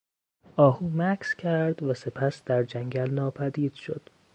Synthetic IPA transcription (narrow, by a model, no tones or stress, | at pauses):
ʔɒːhuːmækʰscʰæɾd̪væse̞pʰæsd̪æɾd͡ʒæŋɟælnɒːpʰæd̪iːd̪̥ʃo̞̰d̪̥